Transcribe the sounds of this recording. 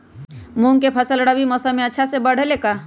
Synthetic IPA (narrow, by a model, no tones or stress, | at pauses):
mũŋkepʰəsəlɽabimɔsamẽətːʃʰasebəɽ̤ʱeleka